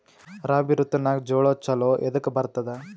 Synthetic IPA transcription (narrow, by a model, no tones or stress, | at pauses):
ɾaːbiɾut̪ːɐnaːɡd͡ʒoːɭot͡ʃɐloːʔed̪ukːbɐɾt̪ɐd̪ɐ